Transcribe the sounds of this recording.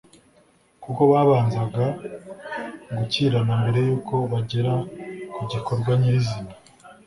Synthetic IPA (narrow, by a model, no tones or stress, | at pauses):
kuko̞βaːβaːnzaɡa | ɡuciːɾanambe̞ɾe̞juːko̞βaɟe̞ɾakuɟikoɾɡwaɲeizima